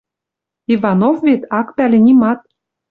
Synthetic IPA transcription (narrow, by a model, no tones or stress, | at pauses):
ivɑnofvet̪ɑkpælʲĕnʲimɑt̪̚